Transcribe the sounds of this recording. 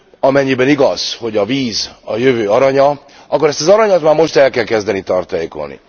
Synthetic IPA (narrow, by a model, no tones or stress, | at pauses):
ɒmɛɲːibɛniɡɒz̥ho̞ɟɒviːzɒjøvøːɒɾɒɲɒ | ʔɒkːo̞ɾɛst̪ɒzɒɾɒɲɒt̪maːɾmo̞ʃt̪ɛlkɛlkɛzd̪ɛnit̪ɒrt̪ɒjeːko̰lnḭ